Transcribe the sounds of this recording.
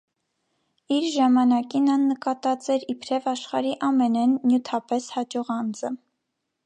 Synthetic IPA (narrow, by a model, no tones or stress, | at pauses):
iɾʒɑmɑnɑkinɑnːəkɑt̪ɑt͡sɛɾipʰɾɛvɑʃχɑɾiʔɑmɛnɛnːjut̪ʰɑpɛshɑd͡ʒɔʁɑnd͡zə